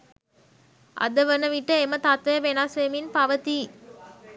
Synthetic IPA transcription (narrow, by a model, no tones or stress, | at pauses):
ʔɐ̰d̪ɐʋɐnɐʋiʈːɐemɐt̪at̪ʋɐjɐʋenaːsʋejminpɐʋɐt̪i